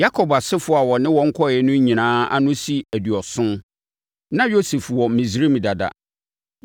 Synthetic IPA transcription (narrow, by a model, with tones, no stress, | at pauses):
ja˦kʰɔ˨ba˨sɪ˦fʊ˨˦a˨wɔ˨nɪ̃˦wɔ̃˨ŋ̩˦kʰɔ˦˨ɛ˦nʊ̃˦ɲĩ˨nãː˦a̰˦nʊ̃˦si˦æ˨dɥɔ˨sʊ̃˦n | nã˦jo˦se˨fwɔ˨mĩ˨sɾĩ˦m˨da˨da̰˨